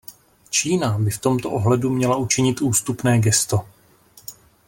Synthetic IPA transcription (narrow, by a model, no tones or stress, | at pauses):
t͡ʃiːnabɪft̪o̞mt̪o̞ʔoɦlɛdumɲɛlaʔut͡ʃɪɲɪt̪ʔuːst̪upnɛːɡɛst̪o̞